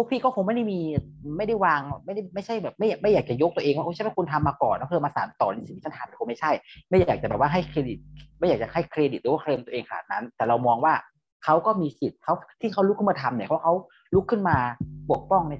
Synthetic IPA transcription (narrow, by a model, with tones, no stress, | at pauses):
o˦˧˥pʰiː˥˩kɔː˥˩xo˧˦ma˥˩jda˥˩jmiː˧˩ma˥˩jda˥˩jwaː˧ŋma˥˩jda˥˩ma˥˩jt͡ɕʰa˥˩jbɛː˨˩p̚ma˥˩jaː˨˩ma˥˩jaː˨˩t͡ɕa˨˩jo˦˥k̚t̪u˧ʔeː˧ŋkwa˥˩˧t͡ɕʰwa˥˩ku˧nt̪ʰa˧mːaː˧kɔː˨˩nːa˦˥pʰɯ˥˩ɐmaː˧sa̰ː˩˦nt̪ɔː˨˩li˧si˦˥˧a˥˩t̪ʰa˧mni˧˩ko˧˦ma˥˩jt͡ɕʰa˥˩jma˥˩jaaː˨˩k̚t͡ɕa˨˩bɛ˨˩waː˥˩ɦa˥˩jkʰɾeː˧di˨˩t̪̚ma˥˩jaː˨˩k̚t͡ɕa̰˨˩ha˥˩jkʰɾe˧di˨˩ɾɯː˨˩˦aː˥˩˧eː˧nt̪u˧ʔeː˧ŋkʰa˧na̰ː˨˩t̪̚na˦˥nt̪ɛː˨˩ɾa˧wmɔː˧ŋwaː˥˩ | kʰa˦˥wkɔː˥˩miː˧si˨˩t̪̚kʰa˦˥wt̪ʰiː˥˩kʰa˦˥wlkʰːɯ˥˩maː˧t̪ʰa˧mni˧˩kʰa˦˥˩kʰa˦˥w | lu˦˥kʰːɯ˥˩nmaː˧pu˨˩ək̚pɔ˥˩ŋna˧